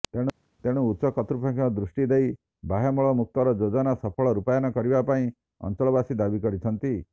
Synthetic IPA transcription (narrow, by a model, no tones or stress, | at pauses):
t̪eɽ̃u | t̪eɽ̃uːtʃɔkɔt̪ɾupʰakʰiɔd̪ɾusʈid̪ej | baɦamɔɭɔmuk̚t̪ɔɾɔd͡ʒod͡ʒɔnasɔpʰɔɭɔɾupajɔnɔkɔɾibapaĩ | ɔ̰nt͡ʃɔɭɔbasid̪abikɔɾit͡ʃʰɔnt̪i